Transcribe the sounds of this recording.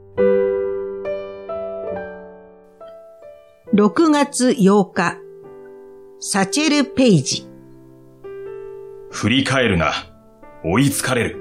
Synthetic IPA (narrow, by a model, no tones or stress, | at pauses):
ɾo̞kɯ̟ŋat͡sɨjo̞ːka | sat͡ɕeɾɯ̟pe̞id͡ʑi | ɸɯ̟ɾʲikae̞ɾɯ̟ŋa̰ | oit͡sɨ̥kaɾe̞ɾɯ̟